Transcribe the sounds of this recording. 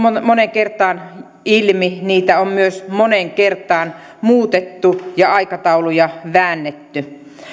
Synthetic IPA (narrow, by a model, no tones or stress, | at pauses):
moneŋkert̪ɑːn | ilminiːt̪æommyøsmoneŋkert̪ɑːn | muːt̪et̪ːujɑɑikɑt̪ɑulujɑʋæːnːet̪ːy